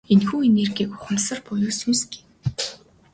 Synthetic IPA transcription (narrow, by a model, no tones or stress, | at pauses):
enxuːenerɡʲiːkʊ̥χə̆msə̆rpʊjʊːsunsɡe̥w